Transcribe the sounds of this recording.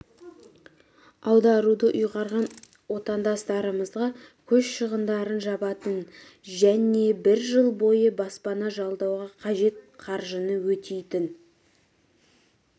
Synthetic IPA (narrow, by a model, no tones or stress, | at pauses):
ɑwd̪ɑɾud̪əʔʊjʁɑɾʁɑn | wo̞t̪ɑnd̪ɑst̪ɑɾəməzʁɑ | kʲʰɵzʃəʁənd̪ɑɾənʒɑbɑt̪ən | ʒæne̞bɪɾʒəlˠbo̞jəbɑspɑnɑʒɑlˠd̪ɑwʁɑqʰɑʒe̞t̪̚qʰɑɾʒənəwɵt̪ejt̪ɪn